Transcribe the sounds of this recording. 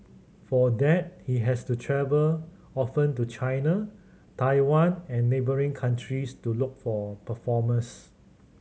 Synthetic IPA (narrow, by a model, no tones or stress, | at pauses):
fɔdɛt̚hiɦɛstutʰɹɛvəl | ɔfə̃ntut͡ʃajna | tʰaɪwãnɛ̃nːebəɹĩŋkʰãntʰɹistulʊk̚fɔpəfɔmə̃ns